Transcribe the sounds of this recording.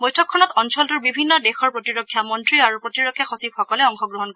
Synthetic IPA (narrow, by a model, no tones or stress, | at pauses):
bɔjtʰɔkʰːɔnɔtɔnsɔltuɹbibʱinːɔdexɔɹpɹotiɹokʰːjamɔntɹiaɹupɹotiɹɔkʰːjaxɔsib̚xɔkɔlɛɔŋxɔɡɹɔɦɔnkɔɹɛ